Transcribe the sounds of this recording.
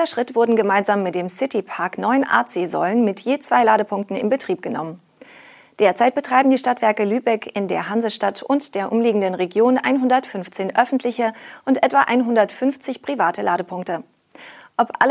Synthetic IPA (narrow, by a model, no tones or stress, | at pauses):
ɐʃʁ̥ɪtv̥ʊɐdn̩ɡəmaɪnzaːmːɪt̚d̥eːmsɪtipʰaɐknɔʏənʔa̰ːt͡seːzɔ̰lənmɪtjeːt͡sv̥aɪlaːɾəpʰʊŋk̚tn̩ɪ̰mbətʁ̥iːp̚ɡ̥ənɔ̰mən | d̥eːɐt͡saɪt̚b̥ətʁ̥aɪbm̩diːʃtatv̥ɛɐkəlyːbɛkʰɪndḛːɐɦanzəʃtatʰʊntd̥eːɐʔʊmliːɡŋ̩dənʁeɡjoːnʔa̰ɪnɦʊndɐtfʏnft͡seːnʔœfn̩tʰlɪçəʔʊntʔɛtv̥aʔa̰ɪnɦʊndɐtfʏnft͡sɪçpʁ̥ivaːtəlaːɾəpʰʊŋk̚tə | ʔɔpʔa̰l